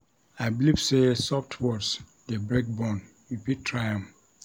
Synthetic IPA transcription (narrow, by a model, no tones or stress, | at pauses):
ajblivsesɔftʰwɔs | debɹek̚bɔ̃n | ɹipitʰːɹajãm